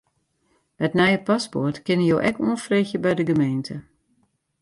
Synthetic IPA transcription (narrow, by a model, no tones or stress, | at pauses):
mɛtnɛjəpaspo̰rtkɪnəjoːʔɛkuənfreːxjəbɛjdəɡəmejntʰə